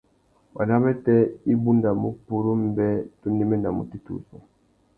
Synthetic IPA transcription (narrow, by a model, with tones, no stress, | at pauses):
wa̰˨na˦mɛ˦tɛ˦i˦bu˦nda˨mu˦pu˨ɾu˦m˦bɛ˦tu˦ni˦mɛ˦nda˨mṵ˨ti˦tṵ˨sṵ˨